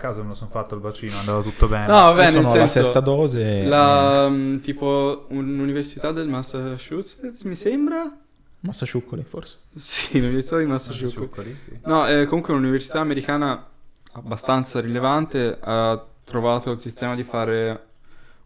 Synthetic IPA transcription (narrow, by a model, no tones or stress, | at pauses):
akːaːzomelasonfat̪ːoalvat͡ʃiːnoand̪aːvat̪ut̪ːobɛnnɔvabɛnelssɛlansɛost̪ad̪ɔːzela | t̪iːpoununiversit̪ad̪ːelmasaʃusesmisembɾa | masːat͡ʃukːoliforse̥ | siːnuniveɾsit̪ad̪imasːat͡ʃukːoliinɔɛkːomuŋkweununiversi̥t̪aːmeɾikaːnaabːast̪ant̪saɾilevant̪eat̪ːɾovaːt̪oilsist̪ɛːmad̪ifaːɾe